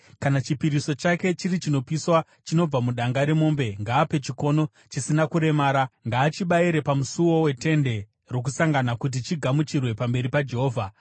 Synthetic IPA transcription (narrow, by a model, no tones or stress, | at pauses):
kanat͡ʃipiɾiso̞t͡ʃake̞t͡ʃirit͡ʃino̞piswa | t͡ʃino̞b͡vamuɗaŋɡaɾemo̞ːmbe̞ŋɡaːpe̞t͡ʃiko̞no̞ | t͡ʃisinakuɾe̞maːɾaŋɡaːt͡ʃiɓaiɾe̞pamusuwo̞we̞te̞nde̞ | ro̞k̬usaŋɡanakut̬it͡ʃiɡʱamut͡ʃirwe̞pambe̞ɾipad͡ʒe̞ɦo̞ːvʱa